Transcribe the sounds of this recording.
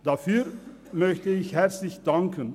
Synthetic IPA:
d̥aːfyːɾ | mœçtəɪçɦɛrslɪçdɑŋkən

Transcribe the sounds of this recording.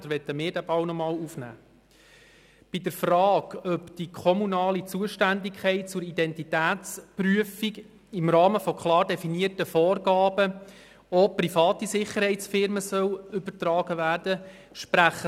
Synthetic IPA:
d̥̪əɾʋɛt̪əmɪːɾdæbɑwnɔmɑːluːfnæ̰ː | b̥ɪdəɾfrɑːɡ̥œpd̥ikʰɔmunɑːlit͡suəʃtændɪkʰχɛɪt̚t͡sʊɾidɛntitæːt͡spryəfiɡ | ɪmɾɑːməfɔkʰlɑːrdɛfiniərtəfɔːrɡɑːbə | ɔprifɑːtisɪχəɾhɛɪtt͡sfɪɾməsœwʏbəɾtrɑːɡ̥əʋæːɾd̥ə | ʃpɾæχə

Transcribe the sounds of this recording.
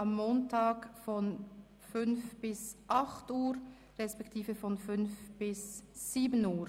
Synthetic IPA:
ʔamːoːntʰaːkfɔn | fʏnfb̥ɪsʔɑχtuːɾ | ʁɛspɛktʰiːfəfɔnfʏnfb̥ɪsːiːbənuːɾ

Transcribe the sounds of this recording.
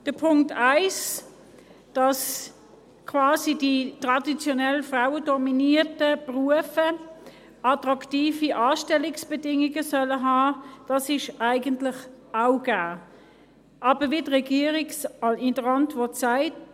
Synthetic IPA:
d̥əpʰʊŋktaɪs | d̥ɑs | kʰvɑːsiditʁɑdit͡sjɔnɛlfʁaʊədɔminitəpʁuəfə | ɑtʁɑktiːfiʔɑːʃtɛlɪksb̥ɛdɪŋiɡəsœləɦɑːd̥ɑsɪʃæɪɡəntlɪχ | aʊɡ̥æː | ʔɑːb̥əvidʁɛɡiːʁiksɪnd̥əʁɑntvɔtsaɪt

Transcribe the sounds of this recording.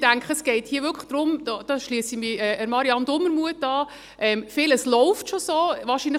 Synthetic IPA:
d̥æŋkχəəsɡ̥ɛɪthiːəʋʏɾkʰlə̥χd̥ɾʊmdɑːd̥ɑʃliəsimiɛʔəɾmɑɾiɑndʊməɾmuətːɑː | ʔɛmfɪləslɔʊftʃosoːʋɑːʃiːnlə

